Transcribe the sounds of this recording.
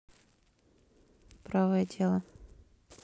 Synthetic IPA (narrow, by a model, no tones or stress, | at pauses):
pɾavəjədʲe̞lˠə